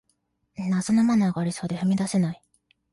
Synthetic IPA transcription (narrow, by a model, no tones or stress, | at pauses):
naso̞no̞manaɡaːɾʲiso̞ːd̪ejomʲid̪ase̞nai